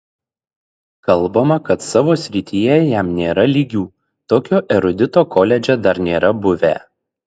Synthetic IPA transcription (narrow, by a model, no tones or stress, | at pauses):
kɐlˠˑbɐmɐkɐt̪sɑːʋoːsʲɾʲɪt̪ʲijɛjæmnʲeːɾɐlʲiːɡʲuː | t̪oːkʲoːʔɛɾʊd̪ʲɪt̪oːkʰoːlʲɛd͡ʒʲɛd̪ɐɾnʲeːɾɐbʊʋʲæ̰ː